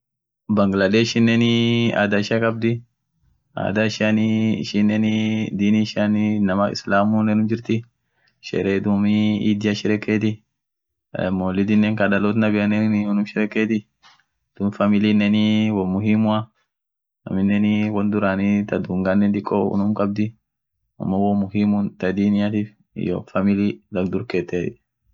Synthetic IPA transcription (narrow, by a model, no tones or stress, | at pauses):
bɐŋɡlɐd̪eːʃɪnːenɪa̰ːd̪aɪʃɐkʼɐb̚d̪ɪ | a̰ːd̪aɪʃanɪɪ̰ʃɪnːɛnɪd̪iːniʃannɐmaɪ̰slaːmunɛnʊmd͡ʒɪɾt̪ɪ | ʃɛ̰ɾeːd̪umɪiːd̪ɪjaʃɪɾɛkːeːt̪̬ɪ | moːlɪd̪ɪnːɛŋkɐd̪ɐloːt̪nɐbɪɐnɛnʊnʊmʃɪɾɛkːeːt̪ɪ | d̪̥ʊːmfɐmɪliːnːɛniwɔmʊɦimʊɐ | ɐ̰mɪnːɛniwɐnd̪ʊɾaːnit̪ɐd̪uːŋɡanːɛnd̪ɪkʼːoʊ̰nʊmkʼɐb̚d̪ɪ | ʊ̰mːɔwɔmʊhimʊnt̪ɐd̪iːnɪjat̪iːf | ɪ̰jo̰fɐmɪliːlɐɡd̪ʊɾkeːt̪ːeːt̪ɪ